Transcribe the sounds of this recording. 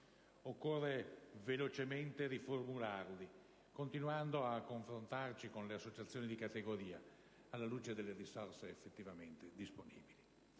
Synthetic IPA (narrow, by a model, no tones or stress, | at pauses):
okːorːevelot͡ʃement̪eɾiformularli | kont̪inuand̪oakːoɱfɾont̪art͡ʃikonleasːot͡ʃat̪sːjoːnid̪ikat̪eɡoɾiːa | alːaluːt͡ʃed̪elːeɾisɔrseːfːet̪ːivament̪ed̪isponḭːbili